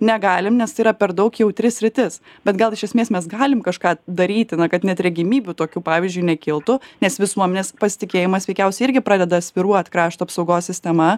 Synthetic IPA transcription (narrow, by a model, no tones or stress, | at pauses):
nʲɛɡɑːlʲɪmnʲɛst̪ɐɪiːɾɐpʲɛɾd̪ɐɒʊkjɛʊt̪ʲɾʲɪsʲɾʲɪt̪ʲɪs | bʲɛt̪ɡɐlˠɪʃʲɛsʲmʲeːsmʲɛs̬ɡɑːlʲɪmkɐʃkɑːd̪ɐɾʲiːt̪ʲɪnɐkɐt̪nʲɛt̪ɾʲɛɡʲɪmʲiːbʲut̪oːkʲuːpɑːʋʲiɪzʲd͡ʒʲʊɪnʲɛkʲɪlˠt̪ʊnʲɛsʋʲɪsuɔmʲɛnʲeːspɐsʲɪ̥t̪ʲɪkʲeːjɪmɐsʋʲɛɪkʲɛʊsʲɛɪɪɾʲɡʲɪpɾɑːd̪ʲɛd̪ɐsʲʋʲɪɾuɔɐt̪kɾɑːʃt̪ɐpsɒʊɡoːssʲɪsʲt̪ʲɛmɐ